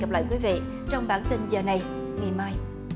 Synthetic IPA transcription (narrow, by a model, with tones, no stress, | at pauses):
a˨˩p̚la̰ː˧˨jkwi˨˦vḭ˧˨ | t͡ɕɔ˧wŋ͡mɓaː˧˩nt̪i˧nzəː˨˩na˨˩j | ŋɨ˨˩maː˧j